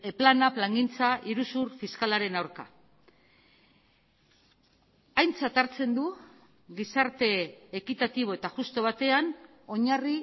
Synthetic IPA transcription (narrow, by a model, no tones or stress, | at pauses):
planaplaŋɡint͡saʔiɾusuɾfiskalaɾe̞nawɾka | ajnt͡sat̪aɾt͡se̞nd̪u | ɣisaɾt̪e̞ːkit̪at̪iβ̞o̞e̞t̪aʝust̪o̞β̞at̪e̞an | o̞ɲari